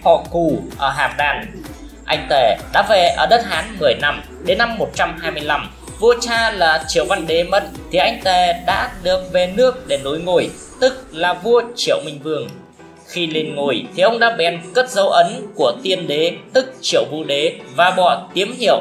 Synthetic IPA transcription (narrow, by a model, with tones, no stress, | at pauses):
hɔ̰˧˨ku˨˩ʔəː˧˩ɦaː˧˨˩mɗaː˨˩n | ʔa˧jŋ̟t̪e˧˩ɗa̰ː˧˥ve˨˩ʔəː˧˩ɗə˦˥t̚haː˨˦nmɨ˨˩əjna˧m | ɗe˨˦nːa˧mːo˨˩t̚t͡ɕa˧mɦaː˧jmɨ˧əjla˧m | vu˧ət͡ɕaː˧laː˨˩t͡ɕḭ˧˩əwva˧nɗe˨˦mə˧˩t̚t̪ʰi˨˩ʔa˧jŋ̟t̪e˧˩ɗa̰ː˧˥ɗɨ˨˩ək̚ve˨˩nɨ˦˥ək̚ɗe˧˩no˨˦jŋo̰˧˩˨j | t̪ɨ˦˥k̚laː˨˩vu˧ət͡ɕḭ˧˨əwmï˨˩ŋ̟vɨ˧˩əŋ | xi˧li˧nŋu˧˩jt̪ʰi˨˩ʔə˧wŋ͡mɗa̰ː˧˥ɓɛ˨˦nkə˦˥t̚zə˨˦wʔə˨˦nku˧˩ət̪i˧ənɗe˨˦t̪ɨ˦˥k̚t͡ɕḭ˧˨əwvṵ˧ɗe˨˦vaː˨˩ɓɔ˧˩t̪i˨˦əmɦḭ˧˨əw